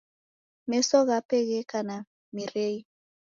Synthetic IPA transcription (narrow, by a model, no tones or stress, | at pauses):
mɛsɔɣapɛɣɛkana | miɾei